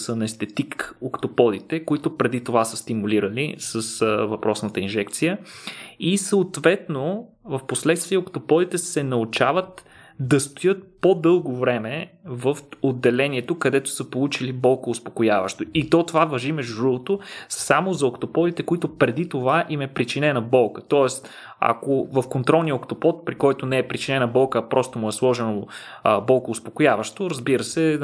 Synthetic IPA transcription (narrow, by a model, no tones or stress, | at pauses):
sənɛst̪ɛt̪ikokt̪opɔd̪it̪ɛkoit̪ʊpɾɛd̪it̪ovasəst̪imuliɾəlḭsəsvɐpɾɔsnət̪əinʒɛkt̪sijə | isəːt̪vɛt̪no | vəfposlɛt̪st̪viɛokt̪opɔd̪it̪ɛsɛnɐut͡ʃavət̪ | d̪ɐst̪ojɤt̪̚pod̪ɤlˠɡovɾɛmɛvəfod̪ːɛlɛniɛt̪okɐd̪ɛt̪ʊ̥səpolˠut͡ʃilibɔlˠkoːspokʊjavɐ̰ʃt̪oit̪ɔt̪ovavɐʒimɛʒd̪ʊʒuvˠot̪ʊsamozɐokt̪opɔd̪it̪ɛkoit̪ʊpɾɛd̪it̪ovaʔimɛpɾit͡ʃinɛnɐbɔlˠkə̥t̪ɔɛst̪ | a̰kovəfkont̪ɾɔlˠnijəokt̪opɔt̪̚pɾikɔjt̪onɛːpɾit͡ʃinɛnɐbɔlˠkəpɾʔɔst̪omʊɛslˠɔʒɛnobɔlˠkoːspokʊjavəʃt̪oɾɐzbiɾəsɛ